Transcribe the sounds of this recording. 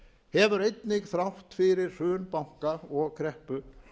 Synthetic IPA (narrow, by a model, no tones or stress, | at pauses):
hɛvʏɾejt̪nɪɣθɾawht̪fɪɾɪɾ̥r̥ʏːnpawŋ̥kaɔɣkʰɾɛhpʏ